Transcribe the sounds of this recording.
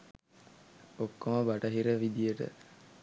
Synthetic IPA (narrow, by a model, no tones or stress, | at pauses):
okːoməbɐʈɐɦiɾəʋid̪ijəʈə̰